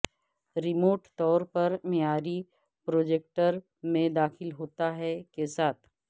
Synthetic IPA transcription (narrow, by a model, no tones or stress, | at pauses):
ɾɪmoːʈt̪ɔːɾpɐɾmeaːɾi | pɾoːd͡ʒek̚ʈəɾ | mẽd̪aːxɪlɦoːt̪aɦɛkesaːt̪ʰ